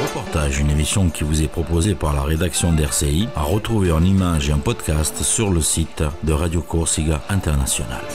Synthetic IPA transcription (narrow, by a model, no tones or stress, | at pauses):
ʁəpɔʁt̪aʒynemisjɔ̃kʲivuzɛpχɔpozepaʁlaʁed̪aksjɔ̃d̪ɛʁseia̰ʁət̪χuveɛ̃nimaʒeɛ̃pɔd̪kast̪syʁləsit̪d̪əʁad̪jokuʁsiɡaɛ̃t̪ɛʁnasjɔna̰l